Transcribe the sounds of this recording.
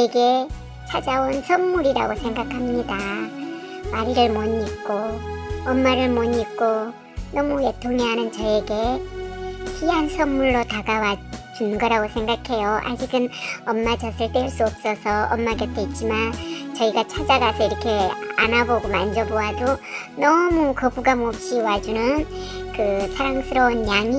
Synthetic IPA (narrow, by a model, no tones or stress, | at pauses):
eɡe̞ | t͡ɕʰad͡ʑaonsʰʌmmuɾiɾa̰ɡosʰe̞ŋɡakʰamɲida | maɾiɾɯɭmoɲik̚k͈oʌmːaɾɯɭmoɲik̚k͈o | nʌmuetʰoŋeɦanɯnt͡ɕʌe̞ɡe̞ | pʰiɦansʰʌmmuɭːotaɡawat͡ɕunɡʌɾaɡosʰe̞ŋɡakʰe̞joʔa̰d͡ʑiɡɯnʌmːad͡ʑʌsʰɯɭt͈weɭs͈uʌp̚s͈ʌsʰʌʔʌmːaɡʌt͈eit̚t͡ɕ͈imant͡ɕʌiɡat͡ɕʰad͡ʑaɡasʰʌiɾʌkʰe̞a̰naboɡomand͡ʑʌboado | nʌmukʌbuɡamop̚ɕ͈iwad͡ʑunɯnkɯsʰaɾaŋsʰɯɾʌunjaŋi